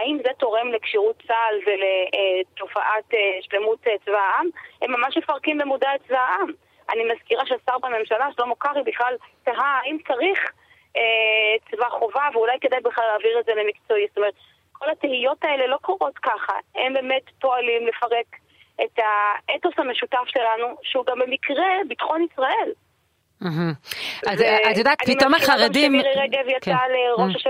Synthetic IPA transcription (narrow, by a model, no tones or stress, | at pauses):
aimzeto̞ʁe̞mlekʃiʁutt͡salveleto̞faʔateʃle̞mutet͡svaʔamhe̞mːamaʃme̞faʁkimbemudaet͡svaaʔam | a̰nimaz̥kiʁaʃeasaʁbame̞mʃalaʃelo̞mokaʁibiχlaltaɦaaimt͡saʁiχ | et͡svaχo̞vaveulajke̞d̪ajbiχlalːaːviʁedzelemikt͡so̞ist̪omeet̪ | kʰo̞latehijotaele̞lo̞koʁo̞tkaχa̰embe̞ːme̞tpo̞alimle̞faʁe̞k | etaetosameʃutafʃe̞lanuʃeuɡambe̞mikʁebitχo̞nisʁae̞l̩ | ɦm̩azatjodaːtpimtomaχaʁemdimʁeʁeɡevjaaleʁoʃaʃe